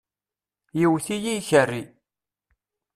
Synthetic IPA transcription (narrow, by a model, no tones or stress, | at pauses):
jiwθijiçərːi